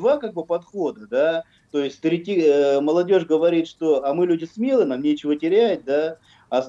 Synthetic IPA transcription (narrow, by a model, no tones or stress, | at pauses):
vakaɡ̚bɨpɐt̪xo̞d̪əd̪a | t̪o̞jɪsʲt̪ɾʲɪtʲiməlˠɐdʲo̞ʐɡəvɐɾʲit̪ʂt̪o̞ɐmɨlʲudʲɪsmʲelˠɨənamnʲet͡ɕɪvətʲɪɾʲæt̪̚d̪a | ɐs